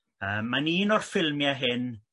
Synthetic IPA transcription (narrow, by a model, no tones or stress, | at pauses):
əːmːaniːnɔrfɪlˠmjaɦɪn